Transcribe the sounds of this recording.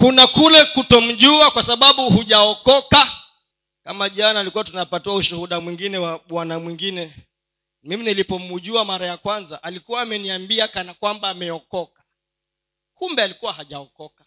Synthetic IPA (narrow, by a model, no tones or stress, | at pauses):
kunakulɛkutɔm̩ʄuakwasaɓaɓuhuʄaɔkɔka | kamaʄanaːlikuwatunapatuauʃuhuɗamwiŋɡinɛwaɓwanamwiŋɡinɛ | miminilipɔmuʄuamaɾajakwanzaʔalikuwaːmɛniambiakanakwambaːmɛɔkɔkḁ | kumbɛalikuwahaʄaɔkɔkḁ